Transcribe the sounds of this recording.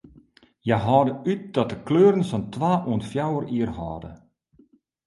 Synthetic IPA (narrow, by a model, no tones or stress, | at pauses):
jɛɦɔːdəyt̚d̥ɔt̚dəkløːɾənsɔntʋaːʔuənfjawəriərhɔ̰ːdə̰